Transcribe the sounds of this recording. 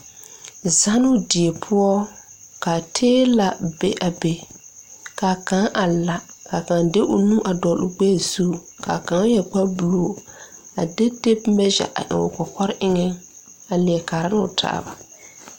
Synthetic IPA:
za˦nʊ˦dɪ˨e˨pʰʊ˦ɔ˦ | ka˨tʰeː˦la˨be˦ʔa˨be˨ | ka˨kã˨˦ʔa˨la˨ka˨kã˨de˦ʔʊ˨nũ˦ʔa˨dɔ˨lʔʊ˦ɡ͡bɛ˦˨zuː˦˨ | ka˨kã˨˦jɛ˨k͡pa˦bu˨loː˨a˨de˦de˦p̚mɛ˦d͡ʒa̰˨ʔa̰˨ʔɪ̰˨ŋʊ̰˨kɔ˨kɔ˦ɾʔɪ˦ŋɛ˦ | a˨lɪ˨ɛ˨kaː˨ɾa˦na˦ʊ̰˨tʰa̰ː˦ba̰˨

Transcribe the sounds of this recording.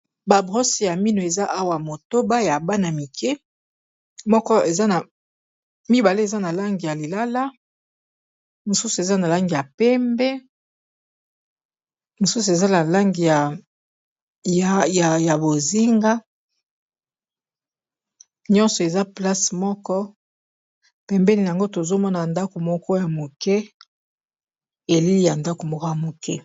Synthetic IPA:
ba˨bʁo˦si˨ja˨mi˦no˨e˨za˦ʔa˦wa˨mo˨to˦ba˦ja˨ba˦na˨mi˨kʰɛ˦ | mɔ˦kɔ˦e˨za˦na˨ | mi˦ba˨le˦e˨za˦na˨la˦ŋɡi˨ja˨li˨la˦la˦ | mo˨su˦su˨e˨za˦na˨la˦ŋɡi˨ja˨pɛ˦mbɛ˦ | mo˨su˦s̬u˨e˨za˦na˨la˦ŋɡi˨ja˨ | ja˨ja˨bo˨zi˦ŋɡa˦ | ɲɔ̃˦nsɔ˨e˨za˦pla˦smɔ˦kɔ˦ | pɛ˨mbɛ˦ni˨ja˨ŋɡo˦to˨zo˦mɔ˦na˨nda˦ko˨mɔ˦kɔ˦ja˨mo˨kɛ˦ | e˨li˦li˦ja˨nda˦ko˨mɔ˦kɔ˦ja˨mo˨kɛ˦

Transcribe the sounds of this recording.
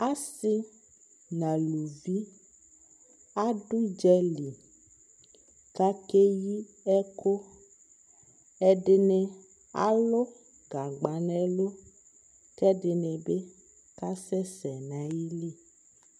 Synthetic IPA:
a˦si˦ | nã˨lu˨vi˦ | a˦ɖu˦d͡ʒɛ˦li˨ | ka˦ke˦ji˦ | ɛ˦ko˦ | ɛ˦ɖe˨nɛ̃˨ | a̰˦lɔ˦ | ɡa˨ɡ͡ba˨nɛ̃˦lo˦ | kɛ˦ɖe˨nɛ̃˨be˦ | ka˦sɛ˦sɛ˨nã˨ji˦li˦

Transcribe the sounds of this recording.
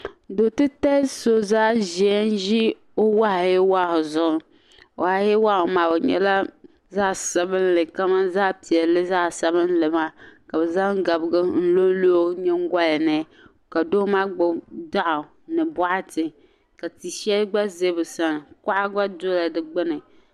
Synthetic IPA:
do˨tɨ˦ta˦so˨zaː˦ʒi˨ɛ˦n˦ʒi˦ | o˦wa˦hjɛ˦wa˦˨hʊ˨zʊ˨ʔʊ˦ | o˨a˨a˨˦jɛ˦wa˦hʊ˨maː˨bɨ˨ɲɛ̰˦la˦ | za˦˨sa˨bɨ˦n˦lɨ˨ka˦ma˦zaː˦pi˨ɛ˨˦lɨ˦za˦˨sa˦βɨ˦n˦lɨ˨ma˦ka˨bɛ˨za˦ŋ˦ɡa˨bɨ˦˨ɡɨ˦n̩˦lo˦lo˦ɲɛ˦ŋ˦ɡa˦lnɨ˦ | ka˨do˦ma˦ɡ͡bʊ˦da˦ʔa˨ | nɨ˨bɔ˦ʔa˦tɨ˨ | ka˨ti˨ʃɛ˦lɡ͡ba˦ze˦bɨ˨sa˨n˨ka˦ʔa˦ɡ͡ba˦do˦la˨dɨ˨ɡ͡bɨ˦nɨ˨

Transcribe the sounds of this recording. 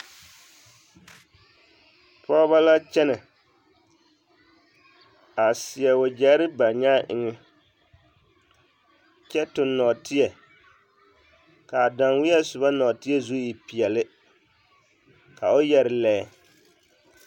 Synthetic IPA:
pɔ˦βa˦la˦t͡ʃɛ˦nɪ˨ | a˨sɪ˨jɛ˨o˨d͡ʒa˦ɾɪ˦ba˨ɲaː˦ʔɪ̰˨ŋɪ˦ | t͡ʃɛ˦tʊ˨nːɔ˨tɪ˦jɛ˨ | ka˨da˨ŋwɪ˦jɛ˦sʊ˨ba˦nɔ˨tɪ˦jɛ˦zu˦ji˨pi˨ɛ˨lɪ˦ | ka˨o˦jɛ˨ɾɪ˨lɛː˦

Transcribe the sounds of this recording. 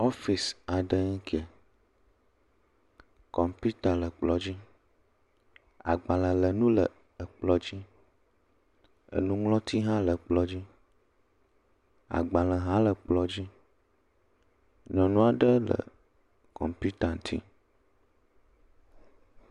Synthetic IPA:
o˦fi˨sa˨ɖə˦ŋ˦kʰi˦e˨ | kɔ˨mpi˦t̪a˨lə˨k͡plɔ˨d͡ʑi˦ | a̰˨ɡ͡bã˨lə˨lə˨nũ˦lə̰˨ | ə˨k͡plɔ˨d͡ʑi˦ | ə̰˨nũ˦ŋlɔ̃˦t̪ʰi˦ɦã˦lə˨k͡plɔ˨d͡ʑi˦ | a̰˨ɡ͡ba˨lə˨ɦã˦lə˨k͡plɔ˨d͡ʑi˦ | nɔ̃˨nũ˦a˨ɖə˦lə̰˨ | kɔ̰˨mpi˦t̪a˨n˨t̪ʰḭ˦

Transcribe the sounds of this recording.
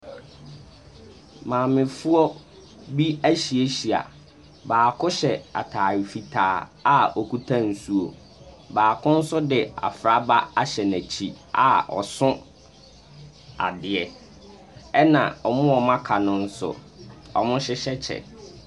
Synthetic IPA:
mãː˨mɪ̃˨fʊ˦ɔ˦ | bi˦æ˦ɕi˨e˦ɕi˨a̰˨ | baː˨kʰʊ˦ɕɛ˨a̰˨tʰaː˨ɾi˨fi˨tʰaː˨˦a˦ɔ˨kʰu˦tʰã˦n̩˨su˦o̰˨ | baː˨kʰʊ̃˦n̩˦sʊ˦dɪ˨a̰˨fɾa˦ba˦a˦ɕɛ˨næ˨t͡ɕʰi˦˨ | a̰˨ɔ̰˨sʊ̃˦ | a̰˨dɪ˨ɛ˨ | ɛ˦nã̰˨ɔ˨mʊ̃˦ɔ˨mã˦kʰa˨nʊ̃˦n̩˦sʊ̰˦ | ɔ̰˨mʊ̃˦ɕɪ˦ɕɛ˦t͡ɕʰɛ̰˨

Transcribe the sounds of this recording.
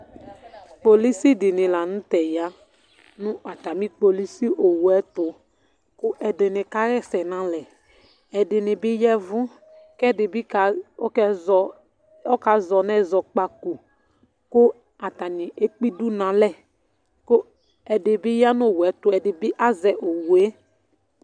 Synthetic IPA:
k͡po˨li˦si˦dɪ˨nɪ̃˨la˨nũ˦tɛ˨ja˦ | nʊ̃˦ʔa˨ta˨mĩ˦k͡po˨li˦si˦ʔo˨wɛ˦tʊ˨ | kʊ˦ʔɛ˨dɪ˨nɪ̃˨ka˦ɣɛ˦sɛ˨nã˨lɛ˨ | ɛ˨dɪ˨nɪ̃˨bɪ˦jɛ˦vʊ̃˦ | kɛ˦dɪ˨bɪ˦ka˨˦kɛ˦zɔ˨ | ɔ˦ka˨˦zɔ˨nɛ˦zɔ˨k͡pa˨ku˨ | kʊ˦ | a˨ta˨nɪ̃˨ʔe˦k͡pi˦du˦nã˨lɛ˦˨ | kʊ˦ | ɛ˨dɪ˨bɪ˦ja˦nʊ̃˦˨wɛ˨˦tʊ˦ɛ˨dɪ˨bɪ˦ʔa˦zɛ˨ʔo˨wu˨e˦

